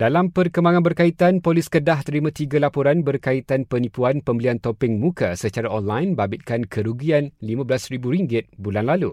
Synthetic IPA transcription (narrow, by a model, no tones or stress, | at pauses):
dalampərkəmbaŋãnbərkait̪anpolɪskədaht̪əɾimãt̪iɡalapɔɾanbərkait̪anpənĩpuanpəmbiəliant̪ɔpɪŋmũkasət͡ʃaɾaɔnlajnbabɪt̪̚kankʰəɾuɡianlimãbəlasɾibuɾiŋɡɪt̪̚bulanlalu